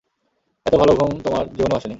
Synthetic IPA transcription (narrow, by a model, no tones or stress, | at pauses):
ɛt̪obʱaloɡʱɾont̪omaɾd͡ʑibonːoaʃeni